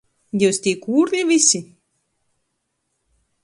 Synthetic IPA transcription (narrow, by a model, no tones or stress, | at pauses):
jɛwsʲt̪ʲiːkuːɾnʲivʲisʲi